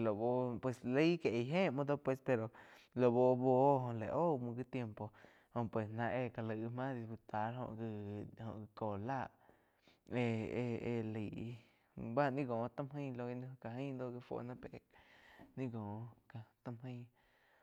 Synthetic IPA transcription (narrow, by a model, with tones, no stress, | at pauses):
lo˨bo˧pwe˧sle˦ke˨ʔɦẽː˦˨ʔmõ˧d̪o˦pwe˧spe˧ɾo˨ | lo˨bo˧bo˧˦ɦõ˧le˨ʔo˦˨mũ˧ɡi˦t̪je˧mpo˨ | hõ˧˨pwe˨snã˧ʔe˧ka˧˨lə˧˨˧mã˦d̪i˧spu˧t̪a˨˦ɾɦõ̰˧ʔɡhõ̰˧ʔɡi˧koː˨laː˦˧˨ʔ | e˧e˧lə˨˧ | ba˦nĩ˦ɡõː˨t̪ã˦mɦə̃˧jlo˧ɡi˧ñ˧ka˧ɦĩ˦nd̪o˦ɡi˧fo̰˧˨nã˦pe˨nĩ˦ɡõː˨ka˧t̪a˧mɦə̃˧j